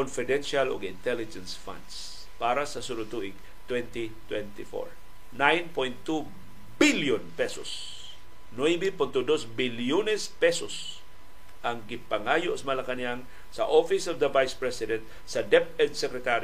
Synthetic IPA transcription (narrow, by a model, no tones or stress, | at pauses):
konfɪd̪ɛnʃalo̰ɡɪnt̪ɛlɪd͡ʒɛnsfã̰nd̪s | paːɾɐsɐsuɾʊt̪uʔɪɡ̚ | t̪wɛnt̪it̪wɛnt̪ɪfo̰ɹ | najnpojnt̪ːu | biljʊnpɛsos | nojbipʊnt̪ʊd̪osbɪljunɛspɛsos | ʔɐŋɡɪpɐŋaːjoʔsmɐlɐkɐnjaŋ | sɐ̰ʔofɪsɔvd̪ɐvajspɹɛsɪd̪ɛnt̪̚ | sɐd̪ɛft̪ɛɹd̪sɛkɾɛt̪aɾ